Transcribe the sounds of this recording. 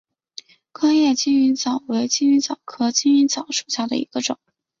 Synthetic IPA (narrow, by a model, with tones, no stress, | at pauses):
kʰɑ˥ŋjɛ˥˩t͡ɕi˥ny˧˥nt͡sɑ˨˩ʊwe˧˥ɪt͡ɕi˥ny˧˥nt͡sɑ˨˩ʊkʰɤ˧˥t͡ɕi˥ny˧˥nt͡sɑ˨˩ʊʂu̥˨˩ɕja˥˩d̪ə̰˩ḭ˧˥ɡ̥ə˧ʈ͡ʂʊ̰˨˩˦ŋ